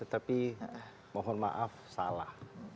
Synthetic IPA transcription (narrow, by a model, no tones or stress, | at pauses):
ət̪api | mɔɦɔnma̰ʔafsalah